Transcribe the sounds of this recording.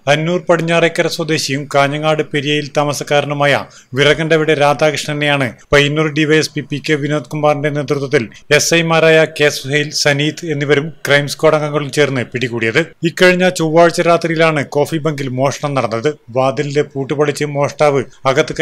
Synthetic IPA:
ɐnːuːrpɐɽiɲːaːrekːɐɾɐswɐd̪e̞ːɕijumkaːɲːɐŋaːɽɨpeɾijɐjilt̪ɐmɐsɐkːaːɾɐnumaːjɐ̰ | ʋirɐɣɐnɖeʋiɽeɾaːd̪aːkʂɳɐt̪inejaːɳɨpɐjnːuːrɖiʋɐjespipːikʲːeʋino̞ːd̪̚kumːaːrinɖe̞ne̞ːt̪rut̪wɐt̪ːile̞sɐjmaːɾaːjɐke̞ːsʋɐɦɐjilsɐniːt̪ʰɨe̞nːiʋɐɾumkrɐjmsko̞ːɽɐŋɡɐŋːɐɭumt͡ɕe̞ːrnːɨpiɽikːuːɽijɐðɨikːɐɻiɲːat͡ɕowʋːaːɻt͡ɕːɐɾaːt̪rijilaːɳɨko̞ːfibɐŋɡilmo̞ːʂɐɳɐmnɐɽɐnːɐðɨʋaːd̪inidepuːʈːɨpɐɭit͡ɕːɨmo̞ːʂʈaːʋɨɐɣɐt̪ːɨk

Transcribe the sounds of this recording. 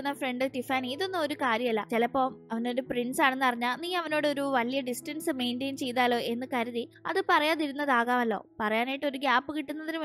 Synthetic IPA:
unːɐfre̞ɳɖɨʈifaːniiðo̞nːɨmo̞ɾukaːɾjɐmɐlːɐt͡ɕelɐpːo̞ːmɐʋɐno̞ːɾupriɳɖsaːɳe̞nːɨpɐriɲːaːlniːɐʋɐno̞ːɽeo̞ɾuʋɐlijɐɖisʈɐnsɨme̞ːɳɖeːnt͡ɕe̞jt̪aːlo̞ːʔe̞nːɨkɐɾɐðiɐ̰ðɨpɐrɐjaːðiɾunːɐðaːɣaːmɐlːo̞̰ːpɐrɐjaːnaːjiʈːɨo̞ɾuɡaːpːɨkiʈːunːɐðinɨ

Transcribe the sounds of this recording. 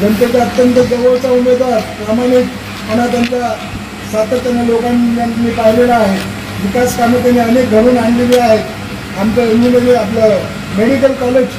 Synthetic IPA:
d͡ʑənt̪jat͡ɕjaət̪jə̃nt̪əd͡zəʋəʋt͡saumed̪ʋaɾpɾamaɽ̃ik̪ | anat̪jaɲt͡ɕa | sat̪ət̪janalokananːipaɦilelaːɦe | ʋikaskamət̪janːiənek̚ɡʱəɾuːnaɳliliaɦet̪ | amt͡ɕaend͡ʑiməd̪ʱeapla | meɽikəlkɔled͡ʑ

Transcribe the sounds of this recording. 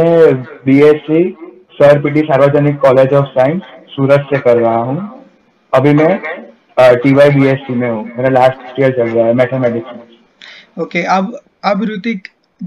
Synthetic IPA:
ẽbiesi | səɾpiʈ̬isaːɾʋəd͡ʒənɪkːɔːled͡ʒɔːʋsaːɪ̃nsːuːɾət̪sekəɾɾaɦaɦũː | əbʱimẽ | ʈiʋaibiesimẽɦũmenãlaːsʈʈiəɾt͡ʃəlɾaɦɛmɛʈʰəmeɖɪksəs | okeab | abɾut̪ik

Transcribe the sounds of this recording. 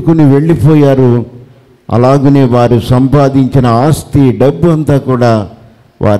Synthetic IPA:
ukuniʋe̞ɭːipɔːjaːɾu | ɐ̰laːɡuneːʋaːɾusɐmpaːd̪ʱiɲt͡ʃinɐaːst̪iɖɐbːuɐnt̪aːkuːɽaː | ʋʔa̰ːɾ

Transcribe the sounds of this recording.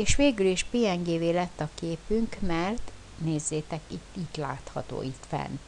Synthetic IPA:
eːʃʋeːɡyliʃpeːɛŋɡeːveːlɛt̪ːɒkeːpyŋkmɛrt̪ | neːzːeːt̪ɛkit̪ːit̪la̰ːt̪hɒt̪o̰ːit̪fɛ̰n

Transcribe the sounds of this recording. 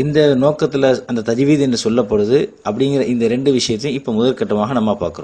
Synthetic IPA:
ɪnd̪ɐnoːkːɐt̪ːɪlɐɐnd̪ɐt̪ɐd͡ʒɪʋiːðɛnrɯsɔlːɐpːɐɽɯðɯʔɐpːɐɽɪŋɡɪɾɐʔɪnd̪ɐɾɛɳɖɯʋɪʂɐjɐt̪ːjʊ̃ɪpːoːmʊðɐlkɐʈːɐmaːɣɐnɐmːapaːɾkɯɾʊ̃

